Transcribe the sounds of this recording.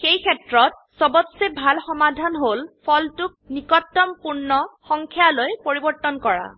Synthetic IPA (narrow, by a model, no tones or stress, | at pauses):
xejkʰɛtɹɔt̚ | sɔbɔtsebʱalxɔmadʱanɦolpʰɔltʊk̚nikɔtːɔmpuɹnɔxɔŋkʰjalojpoɹibɔɹtːɔnkɔɹa̰